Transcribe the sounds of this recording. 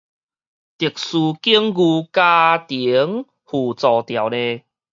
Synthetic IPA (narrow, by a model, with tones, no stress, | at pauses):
t̪i˨˩k̚su˧ki˦əŋɡu˧ka˧t̪i˨˦ŋ | hu˨˩t͡sɔ˨˩t̪ja˨˩wle˧